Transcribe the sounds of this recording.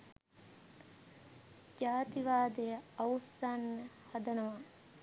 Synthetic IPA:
d͡ʒaːt̪iʋaːd̪ejəawsanːə | hɐd̪ɐnoʋa

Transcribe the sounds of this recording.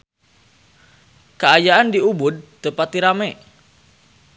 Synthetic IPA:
kəajaʔandiubʊd̪̚t̪əpat̪iɾamɛʔ

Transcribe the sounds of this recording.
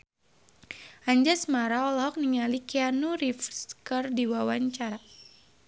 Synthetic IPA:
aɲd͡ʒasmaɾaɔlɦɔk̚niŋalikianuɾifskərdiwawaɲt͡ʃaɾa

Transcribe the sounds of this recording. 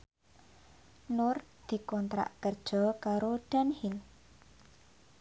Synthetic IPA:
nʊrd̪̥i̤kɔnt̪ɾa̰ʔkərd̥ʒ̥ɔ̤kaɾoɖ̪̥a̤nhil

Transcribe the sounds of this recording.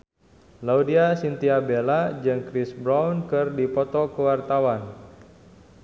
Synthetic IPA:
laudiasint̪iabelad͡ʒɨŋkɾɪsbɾawnkɨrdipɔt̪ɔkəwart̪awan

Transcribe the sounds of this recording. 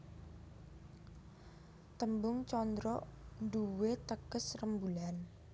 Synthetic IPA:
t̪əmbʊŋt͡ʃɔnd̪ɾɔʔnduwet̪əkəsrəmbulan

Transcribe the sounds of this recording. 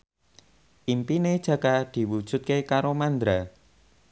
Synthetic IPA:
ʔimpined̥ʒ̥ä̤kad̪̥i̤wud̥ʒ̥ʊ̤t̪̚kekaɾomand̪ɾa

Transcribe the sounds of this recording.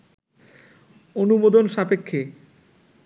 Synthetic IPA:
onubod̪onʃapekʰːe

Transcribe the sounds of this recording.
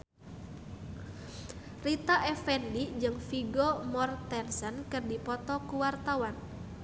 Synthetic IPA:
rit̪aʔɛfɛndid͡ʒɨŋfiɡɔmɔrt̪ɛnsənkɨrdipɔt̪ɔkuwart̪awan

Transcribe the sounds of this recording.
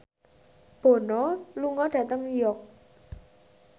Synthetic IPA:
b̥o̤nɔluŋɔɖ̥ä̤t̪əŋnjɔk̚

